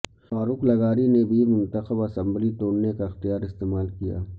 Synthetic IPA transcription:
faːɾuːklɐɡaːɾinebʱimʊ̃nt̪əxəbɐsə̃mblit̪oːɽnekaɪxt̪ijaːɾɪst̪eːmaːlkija̰ː

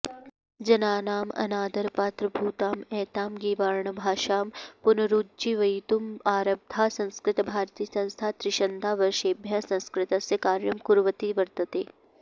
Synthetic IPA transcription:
d͡ʒɐnaːnaːmɐ̰naːd̪ɐɾpaːt̪ɾɐbʱuːt̪aːmɛːt̪aːmɡiːʋaɾɳɐbʱaːʃaːmpʊnɐɾuːd̪d͡ʒiʋɐjt̪umaːɾɐb̚d̪ʱaːsɐ̃nskɾɪt̪bʱaːɾt̪iːəsɐ̃nst̪ʰaːt̪ɾɪʃɐnd̪ʱaːʋɐɾʃeːbʱjasɐ̃nskɾɪt̪ɐsjɐkaːɾjɐmkuɾʋət̪iʋɐɾt̪ɐt̪eː

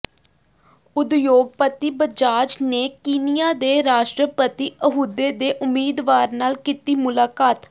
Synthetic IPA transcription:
ʊd̪joːɡ̚pət̪iːbəd͡ʒaːd͡ʒneːkiːnɪjaːd̪eːɾaːʃʈɾəpət̪iːʔəɦuːd̪eːd̪eːʔʊmːiːd̪ʋaːɾnaːlkit̪iːmʊlaːkaːt̪

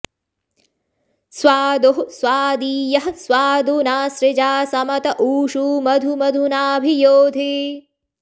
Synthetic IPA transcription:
sʋaːd̪oɦsʋaːd̪iːjɐɦɐsʋaːd̪unaːsɾɪd͡ʒaːsɐmɐt̪ɐʔuːʃuːmɐd̪ʱumɐd̪ʱunaːbʱijoːd̪ʱi

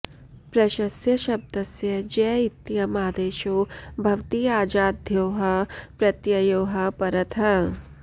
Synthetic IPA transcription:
pɾɐʃɐsjɐʃɐb̚d̪ɐsjɐd͡ʒɛːit̪ːijɐmaːd̪eːʃoːbʱɐʋt̪iːaːd͡ʒaːd̪ʱjoːɦɐpɾɐt̪jɐjoːɦɐpɐɾɐt̪ʰɐ

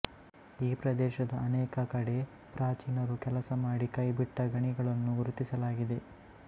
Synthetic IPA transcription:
iːpɾɐd̪ɛːʃɐd̪ɐːnɛːkɐkɐɽe̞ | pɾaːt͡ʃiːnɐɾukɛlɐsɐmaːɽikɐjbiʈːɐɡɐɳiɡɐɭɐnːuɡuɾut̪isɐlaːɡid̪e̞

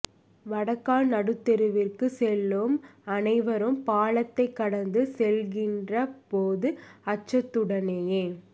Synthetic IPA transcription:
ʋɐɽɐkːaːlnɐɽɯt̪ːɛɾɯʋɪrkɯsɛlːɯmɐnɐɪʋɐɾɯmpaːɭɐt̪ːɐɪkːɐɽɐnd̪ɯsɛlɣɪndrɐpoːðɯɐt͡ʃːɐt̪ːɯɽɐnejeː

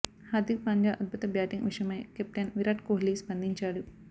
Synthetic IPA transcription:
haːd̪ik̚paɲd͡ʒaːʔɐd̪̚bʱut̪ɐbjaːʈ̪iŋʋiʂɐmɐjkep̚ʈ̪ɐnʋiɾaːʈkoːɦlispɐnd̪ʱiɲt͡ʃaːɽu

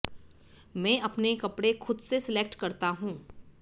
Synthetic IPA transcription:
mɛ̃ːʔɐpnekɐpɽexʰʊd̪sesɪleːk̚ʈkɐɾt̪aɦũː

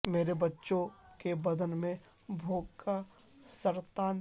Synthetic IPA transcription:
meːɾebɐtːʃõkebɐd̪ənmẽ | bʱoːɡkʰa | səɾt̪aːn

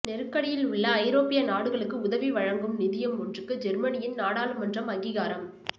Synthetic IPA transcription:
nɛɾɯkːɐɽɪjɪlʊɭːɐːɪɾoːpɪjɐnaːɽɯɣɐɭɯkːɯʊðɐʋiʋɐɻɐŋɡɯmnɪðɪjɐmɔndrɯkːɯd͡ʒɛɾmɐnɪjɪnnaːɽaːlɯmːɐndrɐmɐŋɡɪɣaːɾɐm

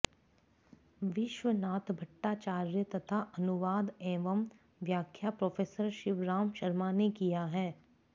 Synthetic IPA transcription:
ʋɪʃʋənaːt̪bʱɐʈːaːt͡ʃaːɾjət̪ɐt̪ʰaɐnʊʋaːd̪ɛ̃ːʋəm | ʋjaːkʰjapɾoːfʰeːsəɾʃɪʋɾaːmʃɐɾmanekijaɦɛː

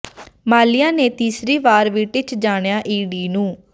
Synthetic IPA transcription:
maːlijãːneːt̪iːsɾiːʋaːɾʋiːʈɪt͡ʃd͡ʒaːɳjaːʔiːɖiːnũː

